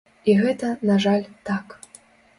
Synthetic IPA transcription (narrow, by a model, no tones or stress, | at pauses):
iɣɛt̪ɐnaʐalʲt̪ak